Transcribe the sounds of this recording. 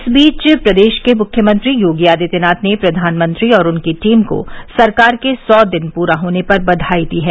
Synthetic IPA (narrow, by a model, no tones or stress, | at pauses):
ɪsbiːt͡ʃpɾɐd̪eːʃkemʊkʰjəmə̃nt̪ɾijoːɡijaːd̪it̪ɪnaːt̪nepɾɐd̪ʱaːnmə̃nt̪ɾiɔːɾʊnkiʈiːmko̰sɐɾkaːɾkesɔːd̪ɪnpuːɾaɦoːnepɐɾbɐd̪ʱaːid̪iɦɛː